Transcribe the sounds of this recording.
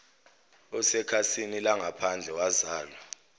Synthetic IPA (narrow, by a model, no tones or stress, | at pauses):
ɔsɛkʰasinilaŋapʰand͡ɮʱɛwazaːla